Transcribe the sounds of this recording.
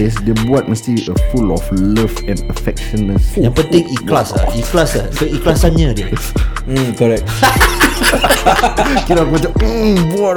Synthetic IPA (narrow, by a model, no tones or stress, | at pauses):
esdebuat̚məstiʔəfulɔfləftɛ̃nəfɛk̚ʃə̃nːəsjãŋpə̃nt̪ɪ̃ŋiklasa̰iklasasoiklasanɲãdə | kɔɾɛk̚ | kinɔkatəbua